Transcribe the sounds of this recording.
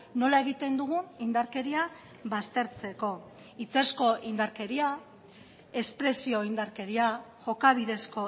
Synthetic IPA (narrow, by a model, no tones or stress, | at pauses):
no̞lae̞ɣ̞it̪e̞nd̪uɣ̞unind̪aɾke̞ɾia | βast̪e̞ɾt͡se̞ko̞ | it͡se̞sko̞ʔind̪aɾke̞ɾia | e̞spɾe̞sio̞ind̪aɾke̞ɾiaʝo̞kaβ̞iðe̞sko̞